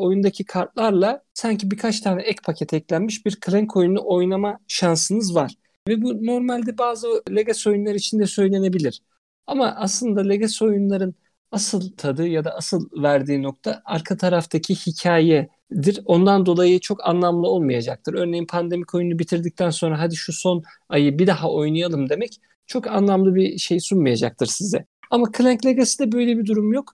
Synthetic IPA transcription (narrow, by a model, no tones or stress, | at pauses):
o̞jund̪acʰikʰaɾt̪̚lˠaɾlˠasaɲcʰibikʰat͡ʃt̪ʰaːnɛʔɛcpʰacʰɛt̪ʰɛclʲænmiʃbiɾkʰlʲɛŋkʰo̞junuʔo̞jnamaʃansɯnɯzvaɾ̥ | vɛbuno̞ɾmalʲd̪ɛbaːzɯlʲeɡaso̞junlˠaɾit͡ʃʰind̪ɛsø̞jlʲe̞ne̞bilʲiɾ̥ | amaʔaslˠɯnd̪alʲeɡaso̞junlˠaɾɯn | asɯlˠt̪ʰad̪ɯːjad̪aasɯlˠvæɾd̪iːno̞k̚t̪ʰaaɾkʰat̪ʰaɾaft̪ʰacʰihicʰaːjɛ | d̪iɾo̞nd̪and̪o̞lˠajɯt͡ʃʰo̞kʰa̰nlˠamlˠɯo̞lˠmajad͡ʒak̚t̪ʰɯɾø̞ɾne̞jinpʰand̪e̞micʰo̞junubit̪ʰiɾd̪ic̚t̪ʰænso̞nɾaɦad̪iʃuso̞n | ajɯbid̪ahaʔo̞jnɯjalˠɯmd̪e̞mɛc | t͡ʃʰo̞kanlˠamlˠɯbiʃe̞jsunmajad͡ʒa̰k̚t̪ʰɯɾsizɛ | amakʰɯlʲæɲclʲe̞ɡasid̪ɛbø̞jlʲebid̪uɾumjo̞k